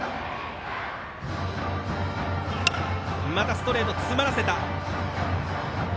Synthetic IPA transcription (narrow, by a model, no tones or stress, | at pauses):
mat̪asɨ̥t̪o̞ɾe̞ːt̪o̞t͡sɨ̥sɨmaɾase̞t̪a